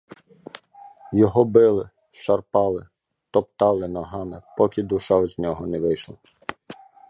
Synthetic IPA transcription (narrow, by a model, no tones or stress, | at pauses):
jɔɦɔbɪlˠɪ | ʃɐrpɑlˠɪ | t̪ɔpt̪ɑlˠɪnɔɦɑmɪpɔkʲid̪uʃɑʋɔzʲnʲɔɦɔnɛʋɪjʃlˠɐ